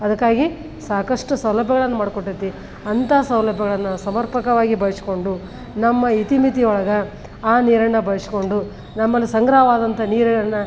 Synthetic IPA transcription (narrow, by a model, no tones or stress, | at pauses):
ɐd̪ɐkːaːɡi | saːkɐʂʈusɐwlɐbʱjɐɡɐɭɐnːɐmaːɽkoʈːit̪ːi | ɐnt̪aːsɐwlɐbʱjɐɡɐɭɐnːɐsɐmɐɾpɐkɐʋaːɡibɐjɐsi̥ko̞ɳɖu | nɐmːɐit̪imit̪iɔɭɐɡɐ | aːniːɾɐnːɐbɐjɐsi̥ko̞ɳɖu | nɐmːɐlːisɐŋɡɾaːʋaːd̪ɐnt̪ʰɐniːɾɐɡɐnːɐ